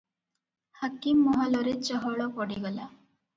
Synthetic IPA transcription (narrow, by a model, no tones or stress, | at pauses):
hakimːɔɦalɔɾet͡ʃɔɦɔɭɔpɔɽiɡɔla